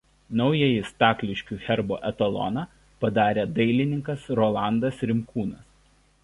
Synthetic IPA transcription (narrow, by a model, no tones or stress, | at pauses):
nɒʊjɛjɪst̪ɑːkʲlʲɪʃʲkʲuːxʲɛɾbo̰ːʔɛt̪ɐlˠɔ̰nɑ | pɐd̪ɑːɾʲeːd̪ɐɪlʲɪnʲɪŋkɐsɾɔːlˠɑˑnd̪ɐsɾʲɪmkʰuːnɐs